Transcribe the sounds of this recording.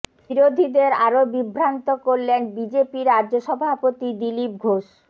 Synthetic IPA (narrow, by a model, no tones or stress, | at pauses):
biɾod̪ʱid̪eɾaɾobibʱɾant̪okoɾlenbid͡ʑepiɾːadʑoʃɔbʱapot̪id̪ilip̚ɡʱoʃ